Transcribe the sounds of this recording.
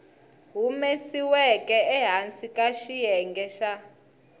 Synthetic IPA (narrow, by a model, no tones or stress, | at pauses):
ɦumesiwɛkʼɛɛɦant͡sʼikʼaʃijɛŋɡɛʃa